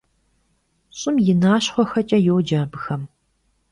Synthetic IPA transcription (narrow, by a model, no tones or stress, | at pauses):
ɕʼɪmjɪnaːɕχʷɔxɐt͡ʃʼɐjowd͡ʒaːbɨxɐm